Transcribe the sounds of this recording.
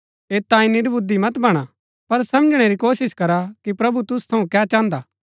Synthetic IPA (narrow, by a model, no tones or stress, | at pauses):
eːt̪ãːĩnɪɾbʊd̪imɐt̪bɐɽ̃a | pɐɾsɐməd͡ʒɽ̃eɾikoːsɪskɐɾakipɾɐbut̪ʊst̪ʰɐũkɛːt͡ʃãːnd̪aː